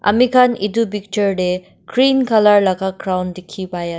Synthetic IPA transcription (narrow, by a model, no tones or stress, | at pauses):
a̰mikʰanidubik̚təɹɖe | kɾinkʰalaɹlaɡakɾawndekʰibaja